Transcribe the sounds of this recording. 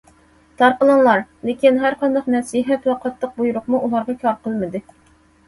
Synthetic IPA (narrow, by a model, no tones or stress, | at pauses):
t̪ʰɑɾqəlˠɑnlˠɑɾlekʲinɦæɾqɑnd̪ɑqnɛsiɦɛt̪wɑqʰɑt̪lˠəq̚bujuɾʊqmuʔulˠɑɾʁɑkʲʰɑɾqʰəlˠmɨd̪ɨ